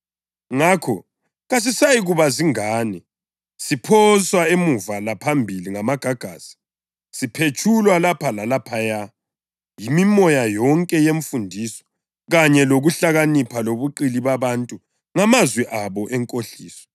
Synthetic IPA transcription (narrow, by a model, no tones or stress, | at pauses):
ŋakʰɔ | ɣas̬isajiɣuβaziŋaːni | sipʰɔswaemuvalapʰambʱiliŋamaɡ̥ʱaɡ̥ʱaːsi̥ | sipʰet͡ʃʰulwalapʰalalapʰaja | jimimɔjajɔŋkʼɛjeɱfundʱiːsɔ̥ | ɣaɲɛloɣuɬaɣanipʰaloβuǃiliβaβantʼu | ŋamazwɛʔaβɔʔɛŋkʼoɬiːsɔ̥